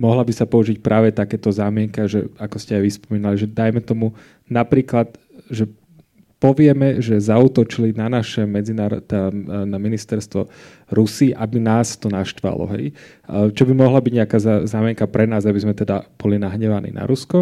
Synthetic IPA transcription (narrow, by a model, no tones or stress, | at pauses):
mɔɦlabisapɔuʒic̚pɾʔaːʋɛt̪akɛːt̪ɔzaːmɪɛŋkɛʒɛakɔscɛajʋispɔmiːnaliʒɛd̪ajmɛt̪ɔmu | napɾiːklad̪ | ʒɛ | pɔʋɪɛmɛʒɛzaut̪ɔt͡ʃilinanaʃɛmɛd͡zinaːɾɔ̰t̪anaminist̪ɛɾst̪ʋɔ̰ | ɾusiːʔabinaːst̪ɔnaʃt̪ʋa̰lɔ̰ɦɛ̰j | t͡ʃɔbimɔɦlabiɟɲɛakaːzazaːmɪɛŋkapɾɛnaːzabizmɛt̪ɛd̪ab̥ɔlinaɦɲɛʋanḭːna̰ɾuskɔ